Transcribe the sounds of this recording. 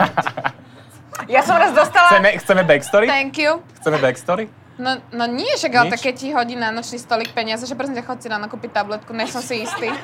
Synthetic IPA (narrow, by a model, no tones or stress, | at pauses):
jasɔmɾazd̪ɔst̪alaɛmɛxt͡sɛmɛbɛkst̪ɔɾit̪ɛŋkjuxt͡sɛmɛbɛkst̪ɔɾi | nɔnɔɲɪɛʃaɡalt̪akːɛcːiɦɔɟiːnanɔt͡ʃniːst̪ɔlik̚pɛɲɪazaʒɛpɾɛsɛmcaxɔt͡sinanakuːpit̪ablɛt̪̚kunɛsɔmsiist̪iː